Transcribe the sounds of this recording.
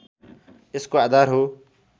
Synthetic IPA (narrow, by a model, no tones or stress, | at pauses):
ɪskoaːd̪aːɾɦoː